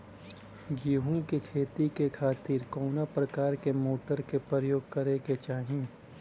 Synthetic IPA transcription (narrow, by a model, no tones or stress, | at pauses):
ɡiːɦũkekʰeːt̪ikekʰaːt̪ɪɾkɔːnapɾɐkaːɾkemoːʈəɾkepɾəjoːɡkɐɾeket͡ʃaːɦĩ